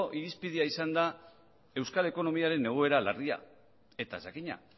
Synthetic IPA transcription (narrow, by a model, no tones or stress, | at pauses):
ʔiɾispið̞iaisand̪a | e̞wskale̞ko̞no̞miaɾe̞ne̞ɣ̞o̞e̞ɾala̰ria̰ | e̞t̪a̰sakiɲa̰